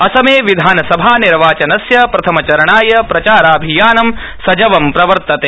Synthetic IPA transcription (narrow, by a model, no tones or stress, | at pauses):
ɐsɐmeːʋid̪ʱaːnɐsɐbʱaːniɾʋaːt͡ʃɐnɐsjɐpɾɐt̪ʰɐmɐt͡ʃɐɾɐɳaːjɐpɾɐt͡ʃaːɾaːbʱijaːnɐm | sɐd͡ʒɐʋɐmpɾɐʋɐɾt̪ɐt̪eː